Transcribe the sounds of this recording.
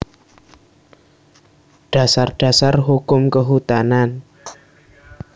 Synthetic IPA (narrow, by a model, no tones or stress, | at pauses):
ɖ̥a̤sarɖ̥a̤sarɦukʊmkəɦut̪anan